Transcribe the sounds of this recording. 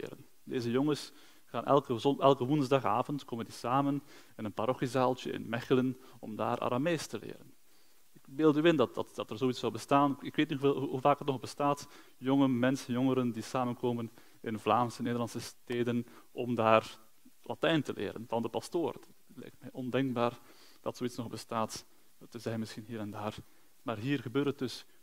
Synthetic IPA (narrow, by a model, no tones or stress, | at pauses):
lɪ̰ːɾən | deːzəjɔŋəs | xaːnʔɛ̰lˠkəɛlˠkəʋunzdɑxaːvəntkoːməndisaːmən | ɪnənpaɾɔxizaːlˠtjə̰ɪ̰nmɛxələn | ɔmda̰ːɾʔa̰ɾa̰meːstəlḛːɾən | ɪkbeːlˠdyːɪndɑtdɑtd̥ɑtərzoːitsɔwbəstaːnɪkʋeːtniɦuvaːkɦətnɔɣbəstaːt | jɔŋəmɛnsənjɔŋəɾəndisaːmənkoːmən | ɪnvlaːmsəneːdərlɑnsəsteːdən | ɔmdaːr | lʔa̰tɛjntəlḛːɾə̰nvɑndəpɑstoːrdt | lɛ̰jk̚tmɛjʔɔndɛŋkbaːr | d̥ɑtsoːitsnɔɣbəstaːt | təzɛjnmɪsxinɦiːɾɛndaːr | maːrɦiːrɣəbøːɾtət̚dɵs